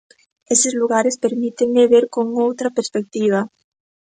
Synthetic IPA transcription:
esezluɣaɾespeɾmit̪eŋmeβeɾkoŋowt̪ɾapeɾspek̚t̪iβ̞a

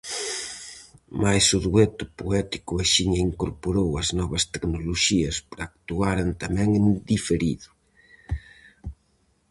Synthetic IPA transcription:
majsʊðuet̪ʊpoɛt̪i̥kʊaʃiɲɐiŋkoɾpoɾowɐznɔβɐst̪eknoloʃiɐspɾɐːk̚t̪uaɾent̪ɐmɛ̃ŋend̪ifeɾiðʊ

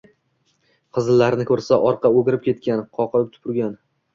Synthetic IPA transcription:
qʰɨzɪlːaɾnɪkʰɵɾsaʔɒɾqʰɑoɡʲɪɾɪp̚kʲʰe̞t̪̚kʲanqʰɒqʰɨlɾɪp̚t̪ʰʊ̥pʰʊɾɡʲan

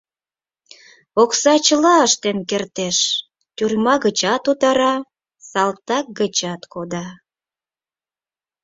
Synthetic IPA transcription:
oksɑt͡ɕəlɑəʃt̪enkert̪eʃ | t̪yrmɑɣət͡ɕɑt̪ut̪ɑɾɑ | sɑlt̪ɑk̚ɡət͡ɕɑt̪kod̪ɑ

